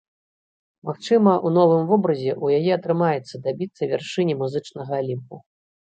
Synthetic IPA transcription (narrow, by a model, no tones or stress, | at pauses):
maxt͡ʂɨmɐʔun̪ɔvɨmvɔbɾɐzʲɛʔujajɛɐt̪ɾɨmajɛt̪sːɐd̪abʲit̪sːɐvʲarʂɨnʲimuzɨt͡ʂnɐɣɐːlʲimpu